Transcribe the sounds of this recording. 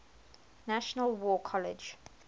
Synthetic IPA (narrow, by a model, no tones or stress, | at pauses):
naʃənəlwɔːkʰɔlɪ̰d͡ʒ